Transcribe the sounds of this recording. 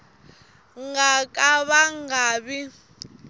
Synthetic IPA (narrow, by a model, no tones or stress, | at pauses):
ŋɡakʼaβaŋɡaːβi